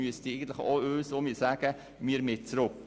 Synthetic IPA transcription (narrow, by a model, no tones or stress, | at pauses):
yəsdiɛɡən̩t̪lɪχo̰ːøːsoːmiːsæːɡ̥ə | miəɾmɪt̚t͡sɾʊk